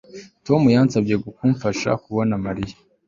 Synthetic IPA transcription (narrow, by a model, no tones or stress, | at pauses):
to̞mujansabɟe̞ɡukuːɱfaʃa̰kuβo̞namaɾijḁ